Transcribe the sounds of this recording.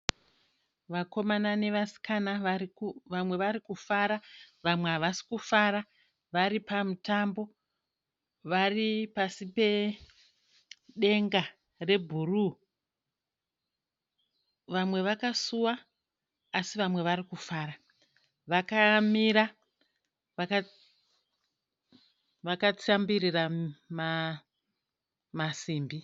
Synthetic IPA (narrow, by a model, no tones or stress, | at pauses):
ʋako̞manane̞ʋasi̥kana | ʋamwe̞ʋaɾikufaɾaʋamwe̞ɦaʋasi̥kufaɾa | ʋaɾipamutambo̞ | ʋaripasipe̞ | ɗe̞ŋɡa | re̞bʱuru | ʋamwe̞ʋakasuwaː | siʋamwe̞ʋaɾikufaːɾa | ʋakamiɾa | ʋaka | ʋakat͡sambirirama | masiːmbi